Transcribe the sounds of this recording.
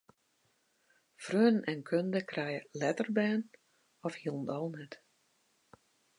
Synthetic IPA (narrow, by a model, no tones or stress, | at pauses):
frøːnnʔɛnkʰøndəkrɛjəlɛtərbɛːn | ɔfhiəlˠn̩tɔlˠnɛt